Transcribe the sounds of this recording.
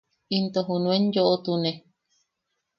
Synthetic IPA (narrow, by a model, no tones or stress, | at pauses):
int̪oɦunũenjoʔot̪une